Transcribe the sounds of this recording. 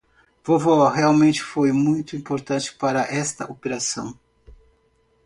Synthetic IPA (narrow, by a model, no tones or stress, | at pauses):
v̥ovɔheawmẽnt͡ʃɪ̥fojmũj̃t̪ʊĩpoɾt̪ɐ̃nt͡ʃɪ̥paɾɐʔɛst̪ɐʔopeɾasɐ̰̃w̃